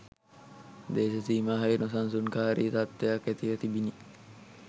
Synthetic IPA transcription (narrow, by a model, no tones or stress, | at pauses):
d̪eːsesiːmaːɦɐinos̬ans̬unkaːaɾiːt̪at̪ːejakːet̪iʋət̪ibini